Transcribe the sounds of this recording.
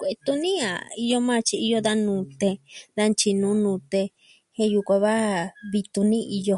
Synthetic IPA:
kʷe˨ʔe˧t̪u˧nĩ˦a̰˨i˧jo˧mã˦˧t͡ʃi˧i˧jo˧ða˧nũ˨˧˦t̪e˧d̪a˧nt͡ʃi˧nũ˨˦nũ˧t̪e˧ | hẽ˧ju˧kʷã˧βa˦βi˧t̪u˧nĩ˦ʔi˧jo˧

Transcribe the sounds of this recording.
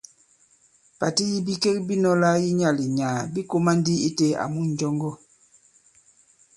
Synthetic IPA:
pa˨ti˦ji˦bi˦ke˦k̚bi˦nɔ˦la˦ji˦ɲa˦˨li˨ɲaː˨bi˦ko˦ma˦n˦di˦i˦te˦a̰˨mu˦n˨˦d͡ʒɔ˦ŋɡɔ˦˨

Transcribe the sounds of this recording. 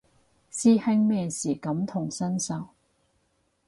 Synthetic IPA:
siː˧hɛ˥˧ŋmɛː˧siː˨˩kɐ˨˥mt̪ʰʊ˨˩ŋsɐ˥nsɐ˨˩w

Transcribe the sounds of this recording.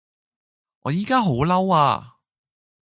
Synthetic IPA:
ʔɔː˨˧jiː˥kaː˥ɦo˨˥wlɐ˥wa̰ː˧

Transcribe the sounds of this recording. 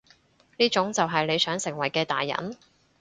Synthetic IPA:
niː˥t͡ʃʊ˨˥ŋt͡sɐ˨wɦɐ˨jle˨˧jsœː˨˥ŋsɪ˨˩ŋwɐ˨˩jkɛː˧t̪a̰ː˨jːɐ̰˨˥n

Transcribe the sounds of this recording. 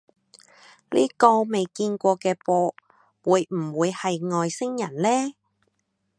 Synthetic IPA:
lḭː˥kɔː˧me˨jkiː˧nkʷɔː˧kɛː˧pɔː˧ | wuː˨˧jm̩˨˩wuː˨˧jhɐ˨jŋɔː˨˧jsɪ˥ŋjɐ˨˩nlɛː˥

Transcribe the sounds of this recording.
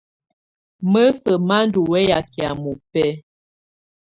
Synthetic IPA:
mə˦sə˨ma˦n˦du˨wɛ˦ja˨ki˨a˨mu˨pɛ˦

